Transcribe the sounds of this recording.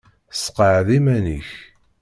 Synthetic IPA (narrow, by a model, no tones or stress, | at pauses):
sqəʕðimæniç